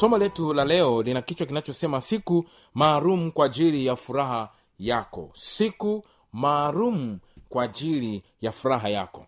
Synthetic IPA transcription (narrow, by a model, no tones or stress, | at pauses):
sɔmalɛtulalɛɔlinakit͡ʃwakinat͡ʃɔsɛmasiku | maːlum̩kwaːʄilijafuɾaɦa | jakɔ̰siku | maːlum̩kwaːʄili | jafuɾaɦaja̰kɔ